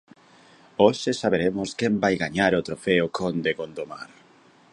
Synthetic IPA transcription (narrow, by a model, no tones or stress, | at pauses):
oʃesaβeɾemʊskembajɣaɲaɾot̪ɾofeʊkʰond̪ekond̪omaɾ